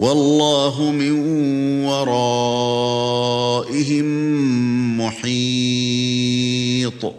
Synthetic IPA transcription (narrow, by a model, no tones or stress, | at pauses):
wɑlˤːaːɦʊmɪn | wɑɾˤɑ | ʔɪɦɪmː | ʊħi | t̪ˤ